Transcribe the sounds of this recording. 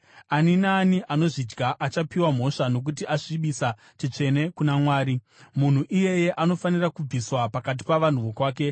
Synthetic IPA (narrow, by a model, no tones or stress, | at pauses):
aninaːniʔano̞ʐid͡ʒɡaʔat͡ʃapiwam̤o̞ʂano̞k̬utiʔaʂiɓisa | t͡ʃit͡ʂe̞ne̞kunamwaːɾi | mun̤uʔije̞je̞ʔano̞fanirakub͡viswapakat̬i̥paʋan̤uʋokwaːke̞